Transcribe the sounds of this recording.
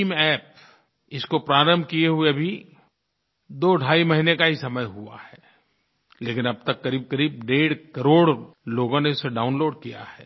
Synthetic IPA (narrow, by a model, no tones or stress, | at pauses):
mɛːp̚ | ɪskopɾaːɾə̃mbʱkieɦʊebʱi | d̪oːɖʱaːimɐɦinekaɦisɐməjɦua̰hɛː | leːkɪ̃nɐb̚t̪ɐkːɐɾiːb̚kɐɾiːb̚ɖeːɽkɐɾoːɽ | loːɡõneʊsːeɖaːʊnloːɖ̚kija̰hɛː